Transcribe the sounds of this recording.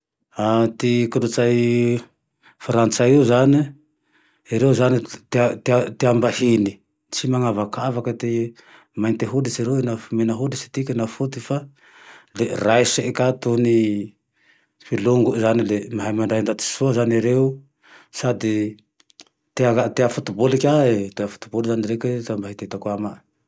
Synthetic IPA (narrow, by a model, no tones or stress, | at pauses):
at̪ikudut͡ʃaj | faɾant͡ʃauzani | eɾewzanit̪t̪t̪iambahini | t͡ʃimaŋavakʰavakat̪i | majnt̪eɦudisiɾewinamenaɦud̪isi̥t̪ikenafut̪ifa | leɾajseʔkat̪uni | filuŋɡuzanilemaɦajmaɳdajnd̪at̪i̥suazaneɾeu | sad̪i | t̪eaat̪eafut̪ubolikaet̪eafu̥t̪ubolizaniɾeket̪eambaɦit̪et̪akwamaʔ